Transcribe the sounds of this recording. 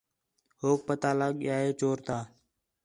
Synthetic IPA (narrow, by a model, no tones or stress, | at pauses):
hoːk̚pət̪aːlaːɠɪjaːɦeːt͡ʃoːɾt̪aː